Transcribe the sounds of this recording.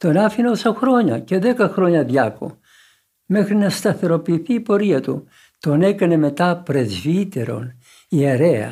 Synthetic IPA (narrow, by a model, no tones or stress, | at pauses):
t̪onɐfinosɐxɾo̞ɲɐ̰ce̞ðe̞kɐxɾo̞ɲɐðʝɐko̰ | me̞xɾinɐst̪ɐθe̞ɾo̞piːθiːpo̞ɾiɐt̪ṵ | t̪one̞kɐne̞me̞t̪ɐpɾe̞zvit̪e̞ɾo̞̰n | ieɾeɐ̰